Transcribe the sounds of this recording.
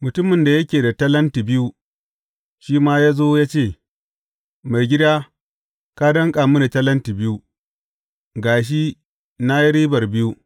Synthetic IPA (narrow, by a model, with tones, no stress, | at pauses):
mʊ˨tʊ˦mɪ˨nda˨jɐ˦kʲeː˨da˨tɐ˦lɐ˦nti˨bɪ˦ju˦ | ʃiː˦maː˦jaː˦zoː˦jaː˦t͡ʃeː˦˨ | ma˨jɡʲɪ˦daː˦ | ka˦dɐ˦ŋkʼa˨mu˦na˨tɐ˦lɐ˦nti˨bɪ˦ju˦ | ɡaː˨ʃ̬i˦ | na˦ji˦ɾiː˦bɐ˨rbɪ˦ju˦